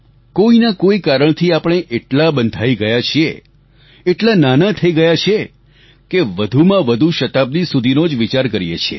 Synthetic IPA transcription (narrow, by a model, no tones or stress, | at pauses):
koinakoikaɾəɳ̃t̪ʰiapəɽ̃eʔeʈlabənd̪ʱaiɡəjat͡ʃʰie | eʈlananat̪ʰəiɡəjat͡ʃʰe | keʋəd̪ʱumãʋəd̪ʱuʃət̪ab̚d̪isud̪ʱinod͡ʒʋit͡ʃaɾkəɾijḛt͡ʃʰḛ